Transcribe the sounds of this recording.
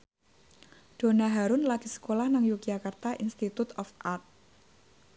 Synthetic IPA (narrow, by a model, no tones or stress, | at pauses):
ɖ̪̥o̤naɦaɾʊnlaɡ̥isə̥kolahnaŋjuk̚d͡ʒakart̪aʔinst̪it̪ut̪ɔfat̪̚